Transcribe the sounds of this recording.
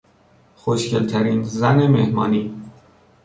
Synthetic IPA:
xoʃcelt̪ʰæɾiːnzænemḛhmɒ̰ːniː

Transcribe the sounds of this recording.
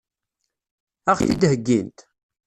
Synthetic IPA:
æχθid̪həɡːint̪

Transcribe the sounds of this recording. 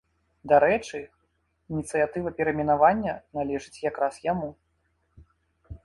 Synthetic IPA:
d̪aɾɛt͡ʂɨ | inʲit̪sɨjat̪ɨvɐpʲɛɾɐmʲɛnavanʲːɐnalʲɛʐɨt͡sʲjakɾasjamu

